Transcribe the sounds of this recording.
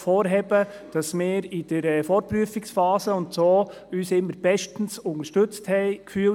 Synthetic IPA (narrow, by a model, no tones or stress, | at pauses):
fɔːɾɦɛb̥ə | d̥ɑsmɪːɾid̥əɾɛfɔːɾt̚pɾyəfɪksfɑːsəʊntsoː | yːsɪmːəɾb̥ɛʃtn̩sʊŋəɾʃtɵt͡sthɛɪkfyːl